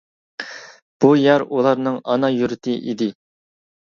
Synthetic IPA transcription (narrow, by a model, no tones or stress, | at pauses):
b̥ujɑɾulˠɑɾnɨŋɑnɑjuɾɪt̪ʰɪʔid̪ɪ